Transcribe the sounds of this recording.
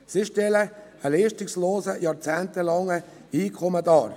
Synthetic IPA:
siʃtɛlə | əliːʃtɪksloːzəjɑːɾt͡sæːnt̪əlɑŋə | iːkʰɔmədɑːɾ

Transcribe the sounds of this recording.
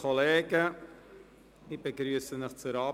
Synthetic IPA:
ɔleːɡə | ɪbəɡɾyːsənɪxt͡suɾɑː

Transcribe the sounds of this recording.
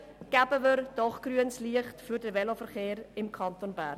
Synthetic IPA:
ɡ̥æbəʋəɾd̥ɔχɡ̥ryənsliəχtfyɾdəvɛlofəɾχeːɾɪmkʰɑntonbæɾn

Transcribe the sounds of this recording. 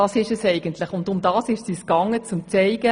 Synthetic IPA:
ɑːsɪʃɛsɛɪɡ̥əntʰlɪχʊndʊmdɑːsɪʃsiskɑŋːət͡sʊmt͡sɛɪɡə

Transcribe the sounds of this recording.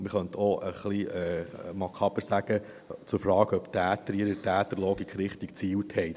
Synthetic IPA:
mɪχœnt̪ʰoʔəχliɛːmɑkχɑbəɾsæɡ̥ə | t͡sʊɾfɾɑːɡœpt̪æːtəɾiɾətæːt̪əloːɡikχɾɪχt̪ik̚t͡siːlt̪hɛɪt

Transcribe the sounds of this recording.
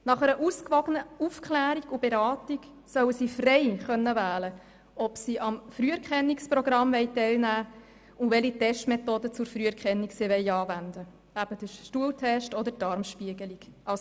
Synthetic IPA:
nɑχɛɾəʔuskʋɑɡənəufkʰlæːɾiɡʊb̥eɾɑːtiɡ | sœwəsifrɛɪχœnːəvæːlə | ɔpsiʔɑmfɾyːɛɾkχɛnːiksprɔɡɾɑmʋɛɪtɛɪlnæː | ʊʋɛlitɛʃtmɛtoːdət͡sʊɾfrɾyːɛɾkχɛnːiksiʋɛɪɑːvænd̪ə | æb̥əd̥əʃtuəltʰɛʃtɔdətɑɾmʃpiəɡəliɡ̥ʔɑ

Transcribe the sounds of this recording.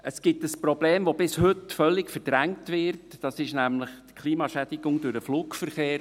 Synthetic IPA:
əsɡ̥ɪtəspɾɔb̥leːmʋobɪshʏtfœlːɪkfəɾd̥ɾæŋtʋɪɾtd̥ɑsɪʃnæmlɪχtkʰliːmɑʃædɪɡʊŋdʊɾəfluːkfəɾχeːɾ

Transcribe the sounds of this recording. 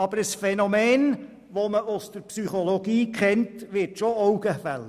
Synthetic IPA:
ɑb̥əɾəsfɛnɔmeːn | ʋoməʔʊsd̥̪əɾpsyχoloɡ̥iːkʰɛntʋɪtʃoɔwɡ̥əfæ̰l

